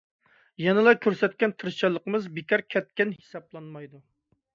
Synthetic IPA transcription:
jɛnɨlˠɑkʲʰøɾsɛt̪̚kʲɛnt̪ʰɨɾʃt͡ʃɑlˠːəqəmɨzbekʰʲɑɾkʲʰɛt̪̚kʲɛnhe̥sɑplˠɑnmɑjd̪u

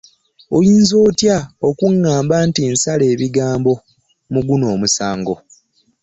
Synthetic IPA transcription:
ojiːnzo̞ːtjaokuŋːaːmbantinsale̞ːβiɡaːmbo̞ | muɡuno̞ːmusaːŋɡo̞

